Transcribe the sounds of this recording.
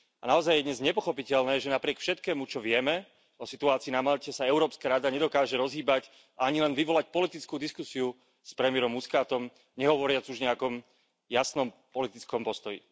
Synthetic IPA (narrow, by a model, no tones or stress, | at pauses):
anaɔzajjɛd̪ɲɛzɲɛpɔxɔpicɛʎnɛːʒɛnapɾɪɛkfʃɛt̪kɛːmut͡ʃɔʋɪɛmɛ | ɔsit̪uaːt͡siːnamaʎcɛsaɛʊɾɔːpskaːɾad̪aɲɛd̪ɔkaːʒɛɾɔzɦiːbac | aaɲilɛnʋiʋɔlac̚pɔlit̪it͡skuːd̪iskusiu | spɾɛmiɛɾɔmːuskaːt̪ɔm | ɲɛɦɔʋɔɾɪad͡zuʒɲɛakɔm | jasnɔmpɔlit̪it͡skɔmpɔst̪ɔjḭ